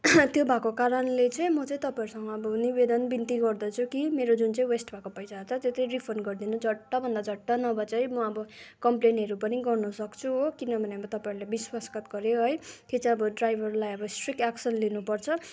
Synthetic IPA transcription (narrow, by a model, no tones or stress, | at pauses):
t̪jobʱakokaɾʌnlet͡sʌĩmʌt͡sʌĩt̪ʌpaĩɾusʌŋɡʌːbʌnibed̪ʌnbint̪iɡʌrd̪ʌt͡sʰukimeɾod͡zunt͡sʌĩwesʈbʱakopʌjt͡sat͡sʰʌt̪jot̪ʌj̃ripʰʌrnɡʌrd̪inud͡zʌʈːʌbʱʌnd̪ad͡zʌʈːʌnʌbʌt͡sʌĩmʌʌbʌkʌmplenɦʌɾupʌniɡʌrnʌsʌkt͡sʰuokinʌbʱʌneʌbʌt̪ʌpaiɾulebiswaskʌt̪ɡʌɾjoɦʌjt̪jet͡saĩʌbʌɖrajbʱʌrlajʌbʌsʈrikaksʌnlinupʌrt͡sʰʌ